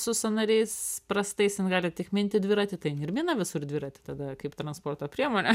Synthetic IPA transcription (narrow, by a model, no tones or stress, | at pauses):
sʊsɐnɐɾʲɛɪspɾɐst̪ɐɪsɪnɡɑːlʲɪt̪ʲɪkmʲɪnʲt̪ʲɪd̪ʲʋʲɪɾɑt̪ʲɪt̪ɐɪɪnɪɾʲmʲiːnɐʋʲɪsʊrd̪ʲʋʲɪːɾɑːt̪ʲɪ̥t̪ɐd̪ɐkɐɪpt̪ɾɐnspoːrt̪oːpʲɾʲiɛmoːnʲɛ